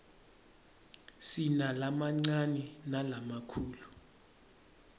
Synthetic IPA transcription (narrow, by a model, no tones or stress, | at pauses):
sinalamaŋ͡ǀaninalamakʰuːlu